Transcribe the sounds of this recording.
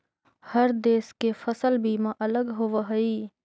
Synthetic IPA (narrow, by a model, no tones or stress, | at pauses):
hɐɾd̪eːskefəsəlbʱiːmãʔɐləɡɦoʋaɦɐiː